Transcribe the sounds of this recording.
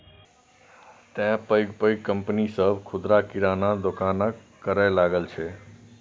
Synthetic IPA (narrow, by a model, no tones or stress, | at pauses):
t̪jãpəjɡpəjɡkəmpnisəbkʰʊd̪ɾakiɾanad̪okana | kəɾajlaɡəlt͡ʃʰe